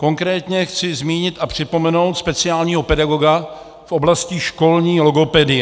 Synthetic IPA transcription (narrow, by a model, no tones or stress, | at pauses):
ko̞ŋkɾɛːt̪ɲɛxt͡sɪzmiːɲɪt̪ʔapr̝̥ɪpo̞mɛno̞wt̪spɛt͡sɪaːlɲiːɦopɛdaɡo̞ɡa | fʔoblasciʃko̞lɲiːloɡo̞pɛdɪjɛ